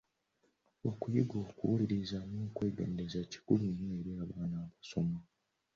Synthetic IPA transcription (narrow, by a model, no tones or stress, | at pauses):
okujiɡo̞ːkuwuliɾizanoːkwe̞ːɡḛːnde̞zaci̥kuluɲːoeɾiaβaːnaːβaso̞mo